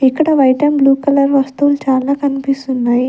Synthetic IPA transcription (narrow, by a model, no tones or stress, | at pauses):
ikːɐɽɐʋɐjʈɐmbluːkɐlɐɾʋɐst̪uʋulut͡ʃaːlaːkɐnipist̪unːaːji